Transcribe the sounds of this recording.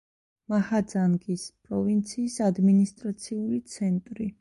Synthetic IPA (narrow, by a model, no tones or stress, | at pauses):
mahad̪zaŋɡispʼɾɔvint̪sʰiːsad̪minist̪ʼɾat̪sʰiulit̪sʰɛnt̪ʼɾi